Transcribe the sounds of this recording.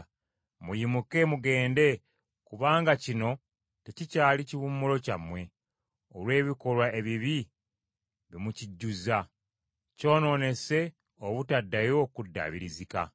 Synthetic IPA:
mujimuke̞muɡe̞ːnde̞ | kuβaːŋɡacino̞ | tecicaːliciβumːulo̞camwe̞ | olwe̞ːβiko̞lwae̞βiβi | βimuciɟːuza | co̞ːno̞ne̞se̞ | oβutadːajo̞kudːa̰βiɾizika̰

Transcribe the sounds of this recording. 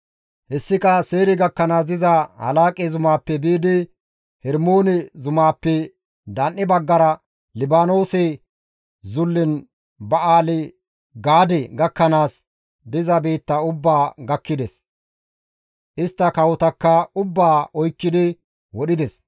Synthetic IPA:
hɛsːɪkɐseːɾɪɡɐkːɐnaːs̬d̪ɪzɐhɐ̰laːkʼɛzʊmaːpːɛbiːd̪ɪ | hɛɾmoːnɛzʊmaːpːɛ | d̪ɐnːɪbɐɡːɐɾɐ | lɪbaːno̞ːsɛ | zʊlːɪn | bɐaːlɪ | ɡaːd̪ɛɡɐkːɐnaːs | d̪ɪzɐbeːt̪ːɐʊbːaːɡɐkːɪd̪ɛs | ʔɪst̪ːɐkɐwɔt̪ɐkːɐʊbːaːɔjkːɪd̪ɪ | wɔɗɪd̪ɛs

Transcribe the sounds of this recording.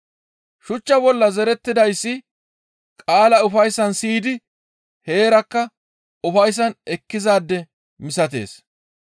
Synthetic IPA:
ʃʊt͡ʃːɐbɔlːɐzɛɾɛt̪ːɪd̪ɐjsːɪ | kʼaːlɐʊfɐjsːɐnsiːd̪ɪ | he̞ːɾɐkːɐ | ʊfɐjs̬ːɐnɛkːɪzaːd̪ːɛ | mɪsɐt̪̬e̞̰ːs

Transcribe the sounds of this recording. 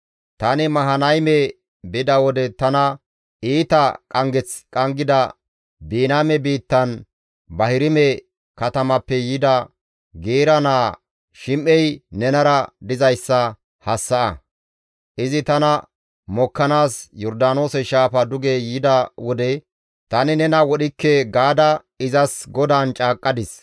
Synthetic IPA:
t̪ɐnɪmɐɦɐnɐjmɛ | bɪd̪ɐwɔd̪ɛt̪ɐnɐ | iːt̪ɐkʼɐŋɡɛt͡skʼɐŋɡɪd̪ɐ | biːnaːmɛbiːt̪ːɐn | bɐhɪɾɪmɛ | kɐt̪ɐmɐpːɛjɪd̪ɐ | ɡeːɾɐnaː | ʃɪmʔɛjnɛnɐɾɐd̪ɪzɐjsːɐ | hɐsːɐʔɐ | ʔɪzɪt̪ɐnɐ | mɔkːɐnaːsjɔɾd̪aːno̞ːsɛʃaːfɐd̪ʊɡejɪd̪ɐwɔd̪ɛ | t̪ɐnɪnɛnɐwɔɗɪkːɛɡaːd̪ɐ | ɪzɐsɡɔd̪aːnt͡ʃʼaːkʼːɐd̪ɪs

